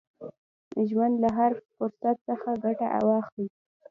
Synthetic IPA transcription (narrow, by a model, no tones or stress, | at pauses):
ʒwand̪laɦaɾfʊɾsat̪̚səxaɡaʈaʔa̰wɑxi